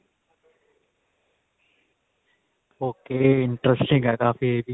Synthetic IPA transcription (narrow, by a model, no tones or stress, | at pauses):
oːkeːɪɳʈɾɛsʈɪ̃ŋɡɦɛːkaːfieːbʱi